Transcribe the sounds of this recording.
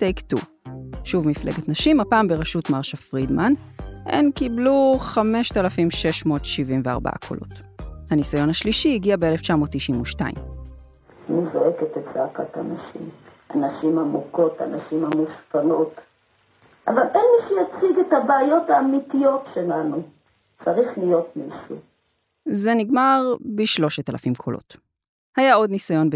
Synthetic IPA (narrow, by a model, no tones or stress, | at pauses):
tejktu | ʃuvmiflḛɡetnaʃimapaːmbeʁaʃutmaʁʃafʁidmanʔenkibluχame̞ʃtalafimʃe̞ʃmo̞ːtʃivimvea̰ʁba̰a̰kʰo̞̰lʔo̞̰thanisajo̞nhaʃliʃihiɡiabeeleft͡ʃamo̞ːtːiʃimuʃta̰ḭm | anizoeketet͡saakata̰naʃḭmʔanaʃimamuko̞tanaʃimamuʃpano̞t | ʔavalelmiʃujat͡siɡetabaːjo̞taːmitijo̞tʃelanu | t͡saʁiχlijo̞t̚miʃu | zeniɡmaʁbiʃlo̞ʃetalafimkʰolo̞̰t | hajao̞dnisajo̞nb